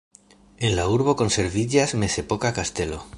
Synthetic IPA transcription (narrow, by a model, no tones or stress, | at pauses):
enlauɾβ̞okonseɾβiʎasme̞sepokakast̪e̞lo̰